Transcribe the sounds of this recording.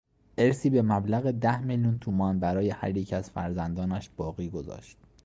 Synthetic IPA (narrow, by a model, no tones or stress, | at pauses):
ʔe̞ɾsiːbe̞mæblæɣe̞d̪æhmiljunt̪ʰuːmɒːnbæɾɒːjehæ̰ɾjecʰæz̥fæ̰ɾzænd̪ɒːnæʃb̥ɒːɣiːɡo̞zɒ̰ːʃt̪̚